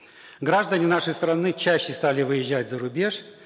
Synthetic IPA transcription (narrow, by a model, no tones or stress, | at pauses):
ɡɾaʐd̪ənʲɪnaʂəjst̪ɾɐnɨt͡ɕæɕːɪst̪alʲɪvɨjɪʑːætʲzəɾʊbʲe̞ʂ